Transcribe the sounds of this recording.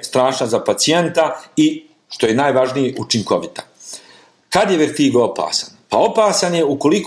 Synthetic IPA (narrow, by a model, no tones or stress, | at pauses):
st̪ɾaːʃnazapat̪sije̞nt̪ai | ʃt̪o̞jenaːjʋaʒnijeʔut͡ʃiŋko̞ʋit̪ḁ | kad̪jeʋɛɾt̪iːɡoopa̰ːsanpao̞paːsanje̞uko̞lik